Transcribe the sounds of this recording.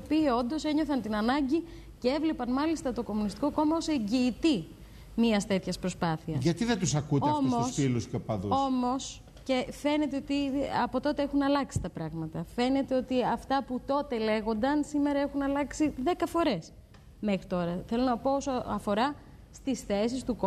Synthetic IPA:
iopiːo̞nd̪o̞se̞ɲo̞θɐnt̪inɐnɐɲɟi | cee̞vle̞pɐnmɐlist̪ɐt̪o̞ko̞munist̪i̥ko̞ko̞mɐoseɲɟiːt̪i | miɐst̪e̞t̪çɐspɾospɐθiɐsʝɐt̪iðet̪usɐkut̪ofmosfilusceopɐðuo̞mo̞s | ce̞fe̞ne̞t̪eo̞t̪iɐpot̪o̞t̪e̞e̞xunɐlɐksi̥t̪ɐpɾɐɣmɐt̪ɐfe̞ne̞t̪e̞o̞t̪iɐft̪ɐput̪o̞t̪e̞le̞ɣo̞nd̪ɐnsime̞ɾɐe̞xunɐlɐksiðe̞kɐfo̞ɾe̞s | me̞xɾit̪o̞ɾɐθe̞lo̞nɐpoosoɐfo̞ɾɐ | st̪isθe̞s̬ist̪uko

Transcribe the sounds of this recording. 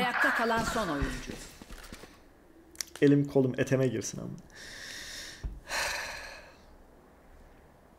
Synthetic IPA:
jak̚t̪ʰakʰalˠanso̞no̞jund͡ʒu | elʲimkʰo̞lˠumet̪ʰemɛɟiɾsina̰n

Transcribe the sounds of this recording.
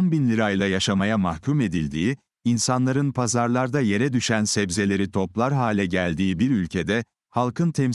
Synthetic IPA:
nbinlʲiɾajlˠajaʃamajamahcʰume̞d̪ilʲd̪iː | insanlˠaɾɯnpʰazaɾlˠaɾd̪aje̞ɾɛd̪yʃænsɛbze̞lʲe̞ɾit̪ʰo̞plˠaɾɦaːlʲɛɟælʲd̪iːbiɾylʲcʰe̞d̪ɛ | halˠkʰɯnt̪ʰɛm

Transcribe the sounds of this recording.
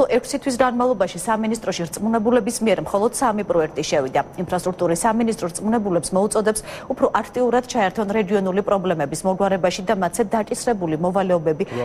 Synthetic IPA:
lɔʔɛkʰsit̪ʰwis̬ɡanmavlˠɔbaʃisaminist̪ʼɾɔʃiɾt̪sʼmunɛbulɛbismiɛɾmχɔlˠɔd̪̥samipʼɾɔɛk̚ʰt̪ʼiʃɛvid̪ainpʰɾast̪ʼɾuk̚t̪ʼuɾisːaminist̪ʼɾɔɾtsʼmunɛbulɛpsmɔut̪sʼɔd̪ɛpsupʰɾɔʔakʰt̪ʼiuɾad̪̥t͡ʃʰaɛɾt̪ʰɔnɾɛɡiɔnulipʼɾɔblɛmɛbismɔɡwaɾɛbaʃid̪amat̪sɛd̪at͡ʃʼisɾɛbulimɔvalɛɔbɛbi

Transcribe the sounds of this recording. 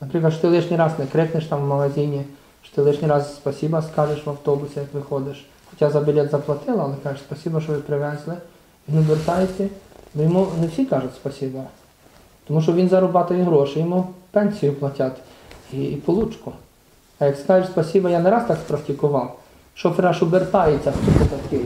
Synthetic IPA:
nɐpɾɪklˠɐʃɔ̥t̪ɪlˠɪʃnʲijɾɑznɛkɾɪknɪʃt̪ɑmʋmɐɦɐzʲinʲi | ʃɔ̥t̪ɪlˠɪʃnʲijɾɑzspɐsʲibɐskɑʒɪʃʋɐwt̪ɔbʊsʲejɐkʋɪxɔd̪ɪʃ | xɔ̥tʲazɐbʲilʲɛt̪zɐplˠɐt̪ɪlˠɐːlˠɛkɑʒɪʃspɐsʲibɐʃɔʋɪpɾɪʋɛzlˠɪ | ʋʲinʊʋɪrt̪ɑjɪsʲɐbɔjɔmunewsʲikɑʒʊtʲspɐsʲibɐ | t̪ɔmuʃɔʋʲinzɐɾʊbɑt̪ɐjiɦɾɔʃɪjɔmupɛnʲsʲijʊplˠɐtʲat̪ipɔlˠut͡ʃkʊ | ɐjɐkskɑʒeʃspɔsʲibɐjaneɾɑst̪ɑkspɾɐktʲikʊʋɑw | ʃt͡ʃɔpɾɑʃʊbert̪ɑjet͡sʲːɐst̪upɔp̪ɐt̪kɪ

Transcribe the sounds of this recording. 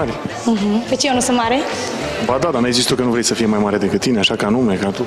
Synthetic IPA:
aɾʲm̩ɦm̩fet͡ʃjewnusɨnt̪maɾe | bad̪ad̪anuezist̪okənuvɾesəfije̞majmaɾe̞d̪e̞kɨt̪t̪ːineaʃakəanume̞kat̪u

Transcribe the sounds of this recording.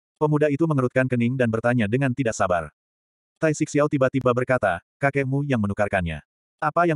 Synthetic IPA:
pəmudait̪uməŋəɾut̪̚kankəniŋdanbərt̪aɲadəŋant̪idaʔsaba̰r | t̪ajsik̚siawt̪ibat̪ibabərkat̪akakɛmujaŋmənukarkanɲa̰ | ʔapaja

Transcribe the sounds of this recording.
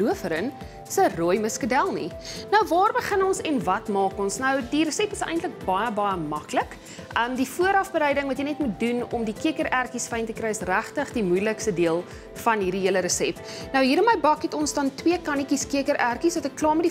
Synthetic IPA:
luəfəɾən | sərojməskədælˠnḭnɐwvɑːrbəχənɔnsɛnvɐtmɑːkɔnsnɐwdiɾəsɛpəsɛ̰jntlək̚bɐjəbɐjəmɐklək | əmdifuəɾɐfbəɾɛjdəŋvɐtjənɛtmut̚dunɔmdikiəkəɾærkisfɛjntəkrɛjəsræχtəχdimujləkstədiəlˠ | fɐnɦiːrdiɦiələɾəsɛp | nəwɦiːɾəməjbɐkɛtɔnsdɐntwiəkɐnikiskiəkəɾʔærkisvɐtəklɑːmedi

